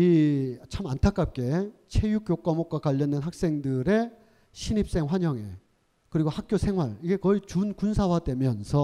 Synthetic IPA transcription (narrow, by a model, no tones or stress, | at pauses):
it͡ɕʰamantʰak͈ap̚k͈e̞t͡ɕʰe̞jukjok͈ʌmok̚k͈wakwaʎːʌndenɦak̚s͈e̞ŋdɯɾe̞ | ɕʰinip̚s͈e̞ŋɸwaɲʌŋe̞ | kɯɾiɡohak̚k͈josʰe̞ŋɦwaɭiɡe̞kʌit͡ɕunkunsʰawadwe̞mjʌnsʰʌ